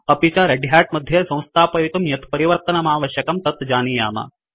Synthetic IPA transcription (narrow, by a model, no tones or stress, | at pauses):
ɐpit͡ɕaɾɐɖjaːʈ̚mɐd̪ʱjɐsɐ̃w̃st̪ʰaːpɐjit̪ɐmjɐt̪pɐɾiʋɐɾt̪ɐnɐmaːʋɐʃjɐkɐmt̪ɐt̪d͡ʒaːnija̰ːmɐ̰